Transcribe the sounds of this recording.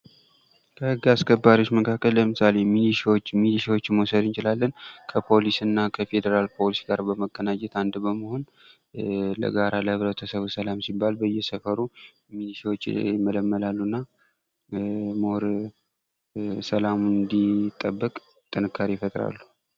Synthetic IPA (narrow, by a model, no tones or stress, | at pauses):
kʰəhɨɡːaskʰəbːaɾiwot͡ʃːməkʰakʰːəlːəmɨsale̞miliʃwot͡ʃːmiliʃiwo̞t͡ʃːɪnmosəd̪ɨnt͡ʃɪlalːənkʰəpʰo̞lisɨnːakʰəfe̞d̪əɾalpʰo̞lisɡaɾbəməɡːənad͡ʒɛt̪and̪bəməho̞n | lə̰ɡaɾaləhɨβɾət̪ʰəsəβusəlamsibːalbəjːɛsəfəɾu | miliʃiwot͡ʃːmələmːəlalːunːa | moɾ | səlamund̪it̪ʼːəbːəkʼ | t̪ʼːɨnɨkʰːaɾifət̪ʼɾa̰lːu̥